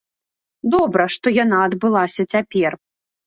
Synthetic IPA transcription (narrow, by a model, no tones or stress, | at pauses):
d̪ɔbɾɐʂt̪ɔjanaɐd̪bɨlˠasʲɐt͡sʲapʲɛr